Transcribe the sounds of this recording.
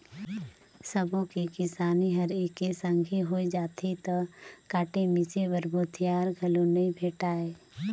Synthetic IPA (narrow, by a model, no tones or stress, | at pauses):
səbõkikɪsaːniɦɐɾeːkesə̃ŋɡʱiɦoːid͡ʒaːt̪ʰet̪ɐkaːʈemɪsebəɾboːt̪ʰijaːɾɡʱɐlonɐĩbʱeːʈaːeː